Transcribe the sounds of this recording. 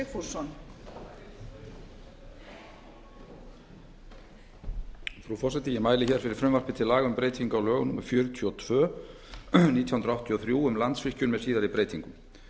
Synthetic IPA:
ɪfuɾsɔn | fɾufɔrsɛt̪ɪjɛmaːjlɪçɛɾfɪɾɪɾ̥fɾʏmvar̥pɪt̪ʰɪlaːɣʏmpɾeːjt̪ʰiŋkawlœːɣʏnumaɾ̥fjœːɾʏt̪ʰiɔt̪ʰvœː | niːt̪ʰjhʏnɾawht̪ʰjiɔθɾjuːʏmlant̪sfɪhcʏnmɛðsiːðaɾɪipɾeːjt̪iŋkʏm

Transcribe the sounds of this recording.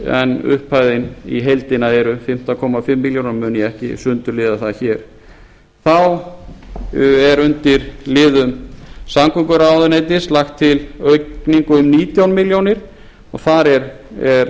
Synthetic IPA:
ɛ̰nʏ̰hpʰaːjðɪnḭɦejlt̪ɪnaðɛɾʏfɪm̥t̪akʰɔmafɪmːiljownaɾmʏːnjɛɛhcɪ̰sʏnt̪ʏɾlɪːðaθaðçɛːɾ̥ | θaw | ɛɾʏnt̪ɪɾlɪːðʏmsamkʏŋkʏɾaːwðʏnejt̪ɪslaxt̪ʰːɪlœɥniŋkʏʏmniːt̪jawnmɪljownɪɾ̥ | ɔɣθaɾɛɾ | ɛɾ

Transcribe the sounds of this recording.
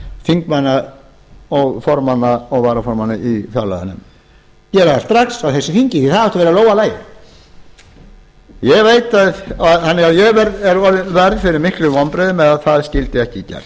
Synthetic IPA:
fiŋkmanːa | ɔɣfɔɾmanːaɔɣvaːɾafɔɾmanːɪifjala̰ða̰nːʏ̰m | cɛːɾaðḁst̪ɾaksawθɛsːɪfiɲcɪθiθaðhɛht̪avɛːɾaloːwalaːjɪ̰ | jɛɣveːjt̪aðaðhanːɛɣawjɛɣvɛɾɛɾɔɾɪvɛɾðfɪɾɪɾmɪhklʏvɔnpɾɛðɪmɛðaðθaðscɪlt̪ɪɛhcɪcɛ̰ɾ̥

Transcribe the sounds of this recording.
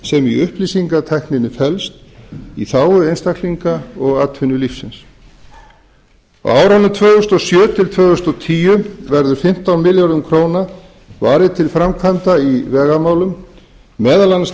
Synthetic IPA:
sɛmiʏhplisiŋkat̪ʰɛhknɪnːɪfɛlst̪ḭθaːwʏejnst̪akʰliŋkaɔɣat̪fʏnʏlifsɪns | ɔ̰aːwɾawnʏmt̪ʰvœːɣʏst̪ɔɣsjœːt̪ʰɪlt̪ʰvœːɣʏst̪ɔɣt̪ʰiːjʏvɛɾðʏɾ̥fɪm̥t̪awmɪljaɾðʏmkʰɾoːwna | vaːɾɪðt̪ʰɪlfɾamkʰant̪aivɛːɣamaːwlʏmː | ɛːðalans

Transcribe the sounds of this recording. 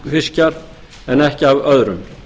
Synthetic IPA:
fɪscaɾ | ɛnɛhcɪavœðɾʏm

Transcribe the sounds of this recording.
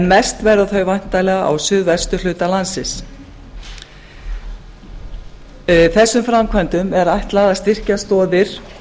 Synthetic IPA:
nmɛst̪vɛɾaθœɥvajn̥t̪alɛːɣaa̰wsʏðvɛ̥st̪ʏl̥ʏːt̪alansɪs | θɛsːʏmfɾamkʰvajnt̪ʏmɛɾajht̪laːðast̪ɪr̥cast̪ɔːðɪɾ̥

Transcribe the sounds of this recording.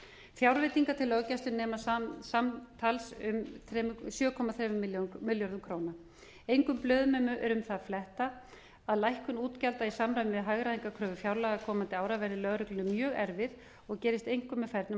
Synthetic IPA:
fjawɾvet̪iŋkat̪ʰɪlœcast̪ʏnnɛːmassamt̪ʰalsʏmθɾɛsjœːkʰɔmaθɾɛːvʏmɪljomɪljɔɾðʏmkʰɾoːwna | ejŋkʏmplœːðmɛːmʏʔɛɾʏmθaðflɛht̪a | aðlajhkʏnuːt̪calt̪aisamɾaɥmɪvɪðɦaɣɾaðiŋkakʰɾœːvʏfjawɾlaɣakʰɔːmant̪ɪaːwɾavɛɾɪlœɣɾʏklʏnʏmːjœːɣɛɾvɪð | ɔɣcɛːɾɪst̪ejŋ̥kʏmːɛðfɛɾt̪nʏ

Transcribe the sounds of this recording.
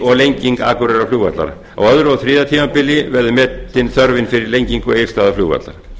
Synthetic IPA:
ɔɣlejɲciŋka̰ːkʏɾɛɾafluːɣvat̪la̰ɾ | a̰wœðɾowðθɾiːðat̪ʰiːmapɪlɪvɛɾðʏmɛːt̪ːɪnθœɾvɪnfɪɾɪɾlejɲciŋkɔejst̪aːðafluːɣva̰t̪la̰ɾ

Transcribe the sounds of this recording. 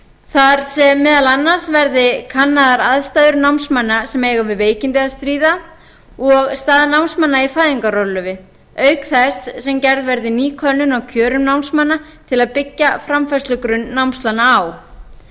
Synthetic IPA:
θaɾ̥sɛmːɪːðalanːḁsvɛɾðɪkʰanːaðaɾaðst̪aːðʏɾnawmsmanːasɛmejɣavɪðveːjcɪnt̪ɪaðst̪ɾiːða | ɔɣst̪aːðnawnsmanːaifaːjðiŋkaɾɔlʏvɪ | œːɥkθɛsːɛmcɛɾðvɛɾðɪniːkʰœlnʏnawcʰœːɾʏmnawmsmanːat̪ʰɪlaðpɪcːafɾamfast̪lʏkɾʏnːawmst̪lanːaːw

